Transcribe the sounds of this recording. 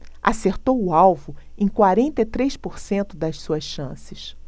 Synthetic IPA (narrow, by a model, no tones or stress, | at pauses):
a̰seɾt̪owʊawvʊẽj̃kwaɾẽnt̪et̪ɾejʃpoɾsẽnt̪ʊd̪ɐssuɐsʃɐ̃sɪʃ